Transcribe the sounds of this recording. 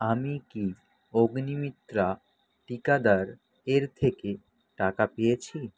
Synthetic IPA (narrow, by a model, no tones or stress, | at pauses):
amiki | oɡnimit̪ːɾa | ʈikad̪aɾ | eɾt̪ʰeke | ʈakapejet͡ɕʰi